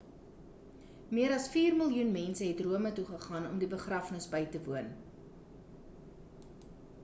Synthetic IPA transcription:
miəɾɐsfiːrməlˠjunmɛnsəɦɛtruəmətuχəχɑːnɔmdibəχrɐfnəsbəjtəvuən

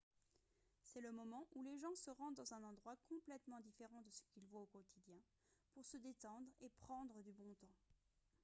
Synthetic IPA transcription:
sɛləmɔmɑ̃ʔuleʒɑ̃səʁɑ̃d̪d̪ɑ̃zɛ̃nɑ̃d̪ʁwakɔ̃plɛt̪mɑ̃d̪ifeʁɑ̃d̪əsə̥kʲilvwaokɔt̪id̪jɛ̃ | puʁsəd̪et̪ɑ̃d̪ʁepχɑ̃d̪ʁəd̪ybɔ̃t̪ɑ̃

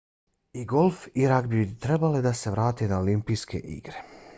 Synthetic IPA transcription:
iɡo̞lˠfiɾakbit̪ɾe̞baled̪ase̞ʋɾaːt̪enaolimpijske̞̰ʔḭɡɾe̞

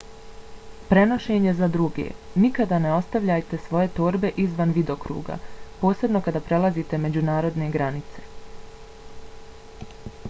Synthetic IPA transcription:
pɾe̞no̞ʃe̞ɲe̞zad̪ɾuɡḛːnikad̪aːne̞o̞st̪aʋʎaːjt̪e̞sʋo̞je̞t̪o̞ːɾbe̞ʔizʋanʋid̪o̞kɾṵːɡa̰po̞ːse̞bno̞kad̪aːpɾe̞lˠazit̪e̞me̞d͡ʑunaːɾo̞d̪ne̞ɡɾanit̪se̞̥

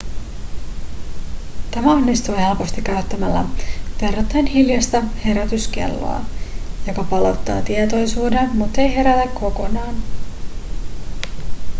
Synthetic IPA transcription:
t̪æmæo̞nːist̪uːhe̞lpo̞st̪ikːæɥt̪ːæmælːæ̰ʋerːot̪ːænɦiljɑst̪ɑhe̞ɾæt̪ysk̟e̞̰lːo̰ɑ̰jo̞kɑpɑlo̞t̪ːɑ̰ːt̪iet̪o̞jsuːdemut̪ːe̞jɦe̞ɾæt̪ækːo̞ko̞nɑːn

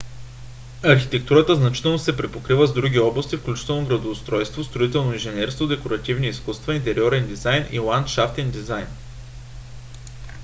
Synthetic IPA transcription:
ɐɾxit̪ɛk̚t̪uɾət̪əznɐt͡ʃit̪ɛlˠnosɛpɾɛpokɾivəzd̪ɾuɡʲiɔblˠɐst̪ifklʲut͡ʃi̥t̪ɛlˠnoɡɾɐd̪oːst̪ɾɔjst̪vost̪ɾoit̪ɛlˠnoĩnʒɛnɛɾskod̪ɛkoɾɐt̪ivniːskust̪vɐint̪ɛɾiɔɾɛnd̪izajnḭlˠant̪ʃaft̪ɛnd̪izajn

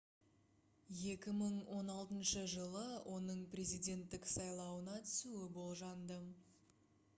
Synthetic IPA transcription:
je̞kʲɪməɴwo̞nɑlˠt̪ənʃəʒəlˠəwʔo̞nəɴprʲe̞zijd̪ʲe̞nt̪ːɪksɑjlˠɑwənɑt̪ʰʏsuwɪbo̞lˠʒɑnd̪ə

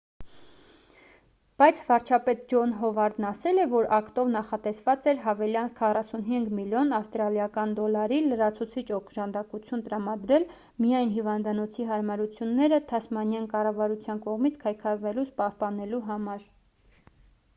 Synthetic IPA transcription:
b̥ɑjt͡sʰvɑɾt͡ʃʰɑpɛt̪̚d͡ʒɔnɦɔvɑɾd̪nɑsɛlɛvɔɾʔɑkt̪ɔvnɑχɑt̪ɛsvɑt͡sɛɾɦɑvɛljɑnkʰɑrɑsunɦiŋɡmiljɔnɑfst̪ɾɑljɑkɑnd̪ɔlɑɾiləɾɑt͡sʰut͡sʰit͡ʃɔkʰʒɑnd̪ɑkut͡sʰjunt̪əɾɑmɑd̪ɾɛl | mijɑjnɦivɑnd̪ɑnɔt͡sʰiɦɑɾmɑɾut͡sʰjunːɛɾət̪ʰɑsmɑnjɑnkɑrɑvɑɾut͡sʰjɑnkɔʁmit͡sʰkʰɑjkʰɑɾvɛlut͡spɑhpɑnɛluɦɑmɑɾ

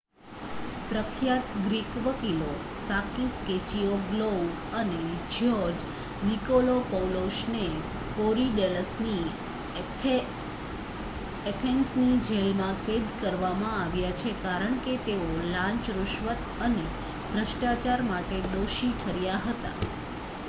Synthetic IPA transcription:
pɾəkʰjat̪ɡɾikʋəkilo | sakisket͡ʃioɡlo | əned͡ʒʱjɔd͡ʒ | nikolopəwloʃne | koɾiɖeləsni | et̪ʰensnid͡ʒʱelmãked̪kəɾʋamãaʋjat͡ʃʰekaɾəɳket̪eolãɲt͡ʃɾuʃʋət̪əne | bʱɾəʃʈat͡ʃaɾmaʈed̪oʃiʈʰəɾjaɦət̪a̰

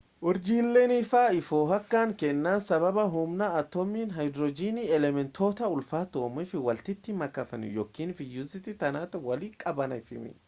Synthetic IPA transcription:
ʔʊɾd͡ʒiːlːeːnɪfaːɪfoːɦɐkːaːŋkɛnːaːnsɐβɐbɐɦʊmnaɐt̪ːɔmːiːnɦɐjd̪ɾɔd͡ʒiːniɛlɛmɛnt̪ʰo̞ːt̪ɐʊlfaːt̪oːmɪfɪwɐlt̪ɪt̪ːɪmɐkːɐfɐnɪ̰jɔkːiːnfɪjuzɪt̪ɪt̪ɐnaːt̪ɐwɐliːkʼɐbɐnɐɪfɪmɪ̰

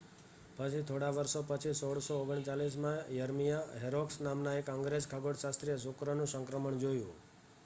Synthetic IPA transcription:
pət͡ʃʰit̪ʰoɽaʋəɾʃopət͡ʃʰisoɽsooɡəɳt͡ʃalis̬mãjəɾmijaɦeɾoksnamnaekə̃ŋɡɾeskʰaɡoɽʃast̪ɾijəs̬ʊkɾənũsəŋkɾəməɳd͡ʒojṵ̃

